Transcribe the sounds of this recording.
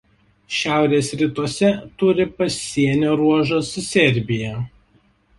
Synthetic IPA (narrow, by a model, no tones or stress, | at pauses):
ʃʲæˑʊɾʲeːsɾʲɪt̪uɔsʲɛt̪ʊɾʲɪpɐsʲːiɛnʲoːɾuɔʒoːsʊsʲɛɾʲbʲɪjɛ